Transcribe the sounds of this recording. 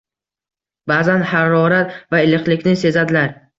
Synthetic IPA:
baːzanhaɾɒɾat̪vaɪlɨqlɪkʲnɪse̞zad̪ɪlaɾ

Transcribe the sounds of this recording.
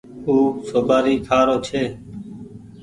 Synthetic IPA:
uːsoːbaːɾiːkʰaːɾoːt͡ʃʰeː

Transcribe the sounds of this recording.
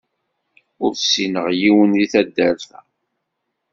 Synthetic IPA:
ʊɾsinəʁjiwənðiθæd̪ːæɾθæ̰

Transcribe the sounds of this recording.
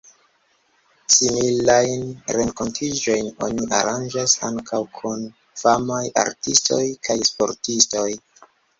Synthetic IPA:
similajnɾe̞ŋko̞ntʰid͡ʒo̞jno̞̰niʔa̰ɾand͡ʒasaŋkʰawkʰun | famaja̰ɾtisto̞̰jkʰajspo̞̰ɾtisto̞j

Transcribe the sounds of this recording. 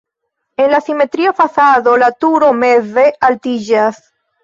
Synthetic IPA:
e̞nlasime̞tɾiafasado̞latuɾo̞me̞ve̞ʔaltid͡ʒas

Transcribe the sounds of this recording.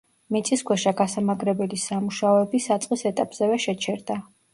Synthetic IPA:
mit̪sʼiskʰwɛʃaɡasamaɡɾɛbɛlisamuʃaɔɛbisat̪sʼqʼisɛt̪ʼapʼz̥ɛvɛʃɛt͡ʃʰɛɾd̪a

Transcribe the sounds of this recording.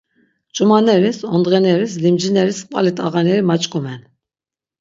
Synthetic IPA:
t͡ʃʼumanɛɾisɔnd̪ʁɛnɛɾislimd͡ʒinɛɾispʼalit̪ʼaɣanɛɾimat͡ʃʼkʼumɛn

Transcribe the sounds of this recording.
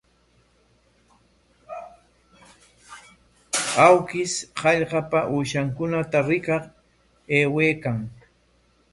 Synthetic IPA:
awkɪshɑʎɢɑpaʔuːʃaŋkʊnat̪aɾɪkɑχ | eːweːkaŋ

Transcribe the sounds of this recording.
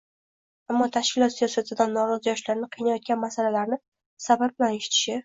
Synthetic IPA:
amːɒt̪ʰaʃkʲɪlˠɒt̪sijɒsat̪ʰɪd̪anːɒɾɒzɪjɒʃlaɾɪnɪqʰijnajɒt̪̚ɡʲanmasalalaɾnɪ | sabab̚bɪlaneʃɪ̥t̪ʰɪ̥ʃɪ

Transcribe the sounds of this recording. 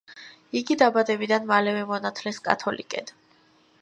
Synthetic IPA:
iɡid̪abad̪ɛbid̪anmalɛvɛmɔnat̪ʰlɛskʼa̰t̪ʰɔlḭkʼɛ̰d̪̥

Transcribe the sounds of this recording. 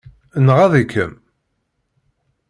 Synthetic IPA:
nʁaðækːə̰m

